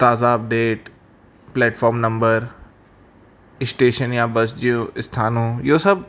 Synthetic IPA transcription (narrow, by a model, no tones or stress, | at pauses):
t̪aːzaɐp̚ɖeːʈ | plɛːʈfɔːɾmnɐ̃mbəɾ | ɪsʈeːʃənjãbɐsd͡ʒijũɪst̪ʰaːnõjoːsɐb̚